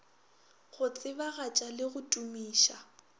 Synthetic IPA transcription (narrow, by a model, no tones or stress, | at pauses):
ɣʊt͡sʼɪbaɣat͡ʃʼalɪɣʊtʼumiːʃa